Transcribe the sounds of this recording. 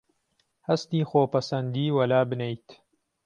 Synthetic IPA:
hɐst̪iːxoːpɐsɐnd̪iːwɐlaːbɨnejt̪

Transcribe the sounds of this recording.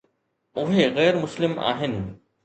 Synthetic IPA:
ʔʊɦeːɣɛːɾmʊslɪmʔa̰ːɦɪn

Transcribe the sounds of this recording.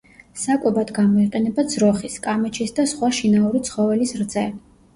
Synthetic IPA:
sakʼɛbad̪ɡamɔiqʼɛnɛbad̪z̥ɾɔχiskʼamɛt͡ʃʰisd̪asχwaʃinauɾit̪sʰχɔvɛlisɾd̪zɛ

